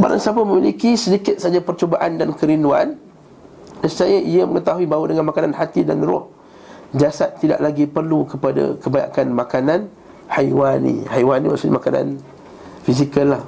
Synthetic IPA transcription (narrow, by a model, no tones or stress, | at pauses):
ba̰ɾa̰ŋsapaməmilikisədikɪt̪̚saad͡ʒapərt͡ʃobaʔandankəɾindua̰n | dassajaʔiəməŋət̪aɦuibaudəŋanmakananhat̪idanrɔ̰h | d͡ʒasat̪̚ːida̰ʔlaɡipərlukəpada̰kəbaja̰kanmakanan | hajwanḭhajwaniwaʔsunḭmakana̰n | fiz̬ikəlːah